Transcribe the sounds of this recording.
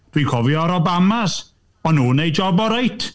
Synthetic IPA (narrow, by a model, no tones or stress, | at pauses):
d̥wikʰɔvjɔɾɔbamas | ɔnːuːnejd͡ʒɔbɔɾajtʰ